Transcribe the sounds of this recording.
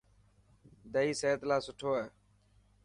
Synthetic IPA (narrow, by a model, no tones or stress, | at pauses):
d̪əiːseːt̪laːsʊʈʰoːɛː